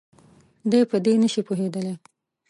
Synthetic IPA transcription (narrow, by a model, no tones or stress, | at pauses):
d̪əjpəd̪enəʃipoɦed̪əle